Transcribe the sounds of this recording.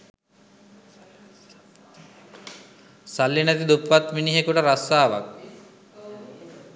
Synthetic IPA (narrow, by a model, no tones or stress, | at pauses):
salːjinæt̪id̪upʋat̪miniɦekuʈəɾasaːʋa̰k̚